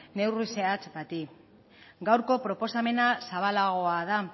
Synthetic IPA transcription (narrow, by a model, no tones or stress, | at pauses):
ne̞wriseat͡sbat̪i | ɡawɾko̞pɾo̞po̞same̞nasaβalaɣ̞o̞aða